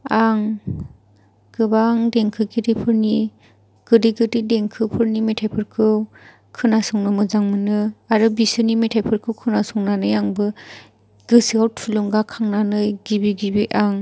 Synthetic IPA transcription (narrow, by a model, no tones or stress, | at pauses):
aŋ | ɡ̥ɯbaŋdeŋkʰɯɡʰɯdipʰɯɾni | ɡ̥ɯdiɡɯdideŋkʰɯpʰɯɾnimetʰajpʰɯɾkʰɯ | kʰɯnasɔŋnɯmɯzaŋmɯnɯaɾɯbisɯnimetʰajpʰɯɾkʰɯwkʰɯnasɔŋnanɯjaŋbɯ | ɡ̥ɯsiawt̚pʰuluŋɡakʰaŋnanɯjɡibiɡibiʔaŋ